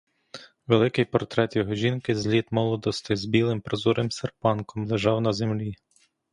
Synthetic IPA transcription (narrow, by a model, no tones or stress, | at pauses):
ʋelˠɪkɪjpɔrt̪ɾɛt̪jɔɦɔʒʲinkɪzlʲid̪mɔlˠɔd̪ɔst̪ɪzbʲilˠɪmpɾɔzuɾɪmserpɑnkɔmlˠeʒɑwnɐzemlʲi